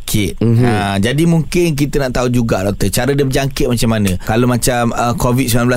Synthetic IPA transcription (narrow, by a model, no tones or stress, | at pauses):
kʰɪt̪̚əd͡ʒadimũŋkɪnk̬it̪ənaʔt̪aud͡ʒuɡaʔdɔk̚t̪ət͡ʃaɾədabəd͡ʒaŋkɪt̪̚mat͡ʃamːanə̃kalomat͡ʃaməkovit̪̚smilãmbla